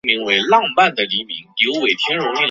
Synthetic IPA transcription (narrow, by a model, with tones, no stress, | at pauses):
mi˧˥ŋwe˧˥ɪlɑ˥˧ŋpa˥˩nd̪ə˩li˧˥mḭ˧˥ŋljo˧˥ʊwe˨˩ɪt̪ʰjɛ˥nɻʊ˧˥ŋi˥˩